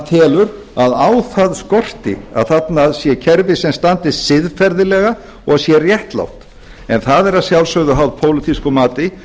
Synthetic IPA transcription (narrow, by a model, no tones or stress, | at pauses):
t̪ʰɛːlʏɾ | aðaːwθaðskɔr̥t̪ɪ̰a̰ðθat̪naðsjɛcʰɛɾvɪsɛmst̪ant̪ɪsɪðfɛɾðɪlɛɣa | ɔɣsjɛrjɛht̪la̰wft̪ | ɛnθaðɛɾaðsjawlsœɣðʏɦawðpʰowlɪt̪ʰiskʏmaːt̪ɪ